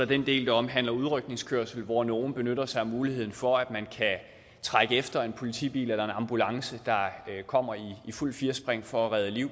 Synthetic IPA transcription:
ɒd̥end̥e̝̰ːld̥ɑɒ̽m̰ɦæn̰lɐuð̞ˠʁœɡ̥̚ne̝ŋskʰøɐsl̩ʋɒno̝ːn̩b̥e̝nøɾ̥ɐsɑ̈ɪɒmːuːlihe̝ð̞̰ˠn̩fɒ̽æd̥mænkʰæ | t͡sʰʁaɡ̥əefd̥ɐe̝npʰo̝lit͡sʰḭːb̥ḭːlelɐe̝nɑ̈mb̥ulɑ̈ŋsəd̥ɑ̈kʰɒ̽m̰ɐiːful̰fiːɐsb̥ʁeŋ̰fɒæʁɛð̞ˠəliʊ̰

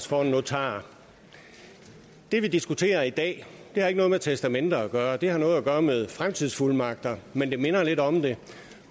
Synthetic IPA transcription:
sfɒno̝t͡sʰɑ̰̈ː | d̥e̝ʋid̥isɡ̥ut͡sʰe̝̰ːɐid̥ɛ̰ː | d̥e̝hɑ̈e̝ɡ̥nɔ̽ːðˠmet͡sʰesd̥æmen̰d̥ɐːɡ̥ɶːɐd̥e̝hɑ̈nɔ̽ːð̞̩ˠæɡ̥ɶːɐmeð̞ˠfʁamt͡sʰið̞ˠsfuləmɑ̈ɡ̥̚d̥ɐmend̥e̝me̝nɐle̝ɾɒ̽md̥e̝

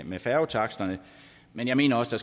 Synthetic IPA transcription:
mefæɐʊt͡sʰɑ̈ɡ̥sd̥ɐnə | menjɑ̈me̝̰ːnɐɒ̽sd̥ɑs

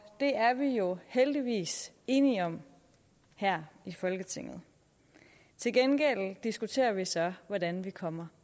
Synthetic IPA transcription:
d̥e̝æɐʋijo̝held̥iʋḭːs | e̝ːniɒ̽m | hæɐ̰ifɒ̽lɡ̥ət͡sʰe̝ŋ̰ð̩ˠ | t͡sʰe̝lɡ̥enɡ̥el̰d̥isɡ̥ut͡sʰe̝̰ːɐʋisɒ̽ʋɒdænʋikʰɒ̽m̰ɐ

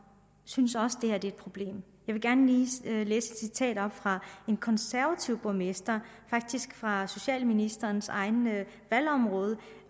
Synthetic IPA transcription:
synsɒ̽səd̥e̝hæɐd̥e̝ed̥̚pʰʁo̝b̥le̝̰ːm | jɑ̈ɪʋe̝ɡ̥æɐnəliːlḛːsed̥sit͡sʰɛ̰ːd̥ɒ̽b̥fʁɑ̈e̝nkʰɒ̽nsæɐʋæt͡sʰiʊb̥ɔmesd̥ɐ | fɑ̈ɡ̥̚d̥isɡ̥fʁɑ̈so̝ɕɛ̰ːlminisd̥ɐːnsɑ̈ɪnə | ʋæl̰ɒ̽mʁɔ̽ːð̞ˠə

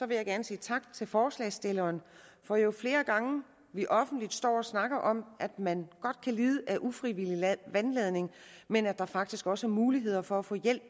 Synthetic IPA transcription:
sɒ̽ʋe̝jɑ̈ɪɡæɐnəsḭːt͡sʰɑ̈ɡ̥̚t͡sʰe̝lfɒːslɛ̰ɪsd̥e̝lɐːn | fɒ̽jo̝fle̝ːɐɡ̥ɑ̈ŋə | ʋiʔɒ̽fn̩d̥lid̥sd̥ɒ̰ːɒ̽snɑ̈ɡ̥ɐʔɒ̽mʔæd̥mænɡ̥ɒ̽d̥kʰæliːð̞ˠəʔæʔufʁiʋiliʋænleð̞ˠne̝ŋmenæd̥ɑ̈fɑ̈ɡ̥̚d̥isɡ̥ɒ̽səæɐmuːliɦe̝ð̞̰ˠɐfɒ̽æfɔ̰̽ːjel̰b̥

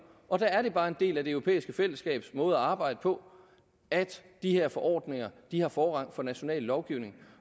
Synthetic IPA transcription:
ɒ̽d̥ææɐɾe̝b̥ɑ̈ːe̝nde̝̰ːlæd̥e̝øʊʁo̝pʰḛːisɡ̥əfel̰əsɡ̥ɛ̰ːb̥smɔ̽ːð̞̩ˠæɑ̈ːb̥ɑ̈ɪ̰d̥əpʰɒ̽ | ʔæd̥ | d̥ihe̝ɐ̰fɒ̽ʔɒ̰ːd̥ne̝ŋɐd̥ihɑ̈fɒːʁɑ̈ŋ̰fɒ̽næɕo̝nɛ̰ːlːɒʊɡ̥iʊne̝ŋ

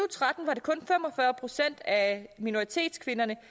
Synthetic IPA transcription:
ut͡sʰʁɑ̈d̥n̩ʋɑ̈ɾe̝kʰɔ̽nfem̰ɒ̽fɶɐpʰʁo̝sen̰d̥æmino̝ʁit͡sʰe̝̰ːd̥skʰʋe̝nɐnə

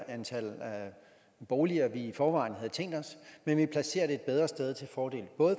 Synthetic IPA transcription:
ænt͡sʰæl̰æ | b̥ɒʊliɐʋiːfɒːʋɑ̰̈ːnɦæð̩ˠt͡sʰeŋ̰d̥ɒ̽smenʋipʰlæse̝̰ːɐd̥eed̥̚b̥eð̞ˠʁɐsd̥eð̞ˠt͡sʰe̝lfɒːd̥e̝̰ːlb̥ɔ̽ːð̩ˠ

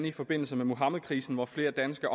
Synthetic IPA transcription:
nəifɒ̽b̥e̝n̰l̩səmemoɦɑ̈məðˠkʰʁḭːsn̩ʋɒfle̝ːɐd̥ænsɡ̥ɐʔɒ

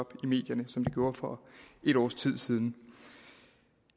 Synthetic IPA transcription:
ɒ̽b̥ime̝̰ːd̥jɐnəsɒ̽md̥eɡjo̝ːɐfɒe̝ɾ̥ɒ̰ːst͡sʰið̞̰ˠsiːð̞ˠn̩

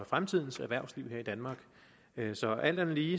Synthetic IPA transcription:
fʁamt͡sʰið̞̰ˠn̩sæɐʋæɐ̰ʊsliʊ̰ɦeɐ̰id̥ænmɑ̈ːɡ̥ | øsɒ̽æl̰d̥ænliː

